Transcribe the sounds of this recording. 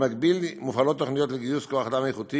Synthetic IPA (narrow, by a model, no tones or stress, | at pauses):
maɡbilmufalot̪ːoχnijot̪leɡijuskoaχad̪amejχut̪i